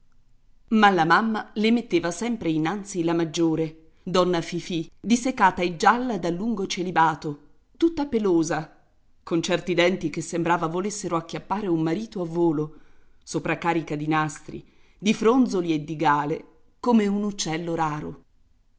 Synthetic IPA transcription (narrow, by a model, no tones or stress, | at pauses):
malamamːalemet̪ːeːvasɛmpɾeinːant̪silamad͡ʒːoːɾe | d̪ɔnːafifid̪isekːaːt̪aed͡ʒalːad̪alːuŋɡot͡ʃelibaːt̪o | t̪ut̪ːapeloːza | kont͡ʃɛrt̪id̪ɛnt̪ikesːembɾaːvavolesːeɾoak̟ːjapːaːɾeumːaɾiːt̪oavːoːlo | sopɾakaːɾikad̪inast̪ɾḭ | d̪ifɾond̪zolied̪ːiɡaːle | komeunut͡ʃːɛlːoɾaːɾo̰